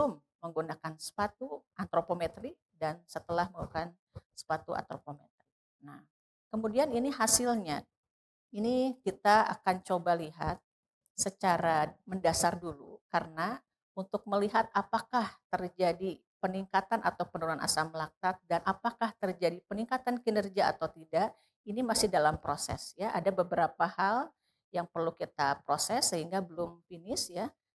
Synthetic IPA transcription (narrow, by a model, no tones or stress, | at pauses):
sʊmːəŋɡunakansə̥pat̪uʔant̪ɾopomet̪ɾi | dansət̪əlahməŋɡukan | sə̥pat̪uʔa̰nt̪ɾopomet̪ɾi | nah | kəmudianiniɦasɪlɲa | inikit̪aa̰kant͡ʃobaliɦat̪̚ | sət͡ʃaɾaməndasardulṵkaɾəna | unt̪ʊk̚məliɦat̪̚apakaht̪ərd͡ʒadi | pəniŋkat̪anʔat̪awpənuɾunana̰samlak̚t̪at̪̚danʔapakaht̪ərd͡ʒadipəniŋkat̪ankinərɡia̰ːt̪awt̪idaʔ | inimasɪhdalampɾosɛ̰sjaʔadabəbəɾapahal | jaŋpərlukit̪apɾosɛsːəɦiŋɡabəlʊmfinɪsja